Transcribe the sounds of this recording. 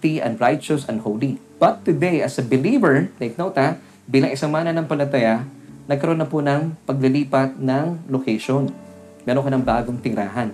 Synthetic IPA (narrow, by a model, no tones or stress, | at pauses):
t̪iʔɐ̰̃nd̪ɹajt͡ʃosɐnd̪̚howli | b̥ɐt̪ːʊd̪ejʔɐsɐbɪliːvɛɹt̪eɪk̚nowt̪a | biːlɐŋʔɪsaŋmaːnɐnɐŋpɐlɐt̪ɐja | nɐɡ̚kɐɾonːɐpʊnɐŋpɐɡ̚lɪliːpɐt̪̚nɐŋlokeʃon | mɛːɾoŋkɐnɐŋbaːɡoŋt̪ɪŋɾa̰ːɦɐn